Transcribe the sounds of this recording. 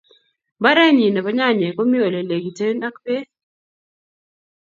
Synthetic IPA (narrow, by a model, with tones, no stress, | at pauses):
ba˦ɾɛ˦ɲi˨ne˨bɔ˦ɲa˦˨ɲe˨ko˦mi˦o˨le˨le˨ɡi˨te˦na˦kpe˦